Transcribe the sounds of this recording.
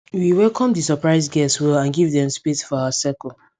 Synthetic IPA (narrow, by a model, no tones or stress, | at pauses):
wiwɛlkʰɔ̃mdisəpɹaɪsɡɛswɛlãnɡivðɛ̃mspitfɔawasɛkɔ